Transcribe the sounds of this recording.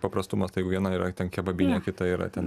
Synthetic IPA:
pɐpɾɐst̪ʊmɐst̪ɐɪjɛɪɡʊʋʲiɛnɐiːɾɐt̪ʲɛnkʲɛbɐbʲinʲɛkʲɪt̪ɐiːɾɐ̰t̪ʲɛn

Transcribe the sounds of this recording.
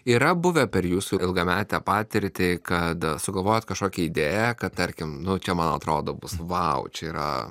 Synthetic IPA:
iːɾɐbʊʋʲɛpʲɛɾjuːsuɪɪlˠɡɐmʲæːt̪ʲɛpɑːt̪ʲɪɾʲt̪ʲɪkɐt̪sʊɡɐlˠʋoːjot̪kɐʃkoːkʲɛid̪ʲeːjɛkɐt̚t̪ɐɾʲkʲɪmnʊt͡ʃʲɛmɐnːɐt̪ɾoːd̪oːbʊsʋɐʊt͡ʃʲɛiɾɐ̰

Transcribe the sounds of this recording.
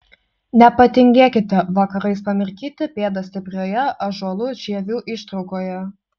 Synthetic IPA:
nʲɛpɐt̪ʲɪŋʲɡʲeːkʲɪt̪ʲɛʋɐkɐɾɐɪspɐmʲɪɾʲkʲiːt̪ʲɪpʲeːd̪ɐsʲt̪ʲɪpʲɾʲoːjɛʔɐʒuɔlˠʊʒʲiɛʋʲuːʔɪʃt̪ɾɒʊkoːjɛ

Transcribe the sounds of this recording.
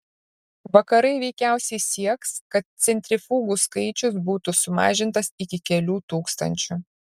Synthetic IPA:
ʋɐkɐɾɐɪʋʲɛɪkʲæˑʊsʲɛɪsʲiɛkskɐt̪̚t̪sʲɛnʲt̪ʲɾʲɪfuːɡuːskɐɪt͡ʃʲʊs̬buːt̪ʊsʊmɑ̰ːʒʲɪnt̪ɐsɪkʲɪkʲɛlʲuːt̪uːkst̪ɐ̰nʲt͡ʃʲʊ

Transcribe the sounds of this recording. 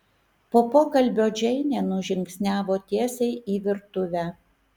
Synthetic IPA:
poːpoːkɐlʲbʲoːd͡ʒʲɛɪnʲeːnʊʒʲɪŋʲksʲnʲæːʋoːt̪ʲiɛsʲɛɪʔiːʋʲɪɾt̪ʊʋʲæː

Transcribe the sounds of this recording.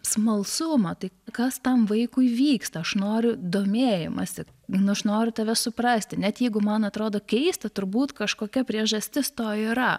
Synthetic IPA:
smɐlˠsʊmɐt̪ɐɪkɐst̪ɐmʋɐɪkʊɪʋʲiːkst̪ɐɐʃnoːɾʲʊd̪oːmʲeːjɪmɐsʲɪ | nʊɐʃnoːɾʲʊt̪ɐʋʲɛsʊprɐsʲt̪ʲɪnʲɛt̪jɛɪɡʊmɐnɐt̪ɾoːd̪oːkʲɛɪst̪ɐt̪ʊɾbuːt̪kɐʃkoːkʲɛpʲɾʲiɛʒɐsʲt̪ʲɪst̪oːiɾɐ

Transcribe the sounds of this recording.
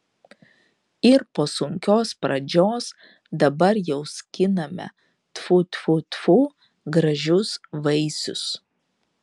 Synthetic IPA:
ɪɾpoːsʊŋʲkʲoːspɾɐd͡ʒʲoːs | d̪ɐbɐɾjɛʊsʲkʲɪnɐmʲɛ̰ | t̪fʊt̪ʊt̪fuː | ɡɾɐʒʲʊsʋɐɪsʲʊ̰s

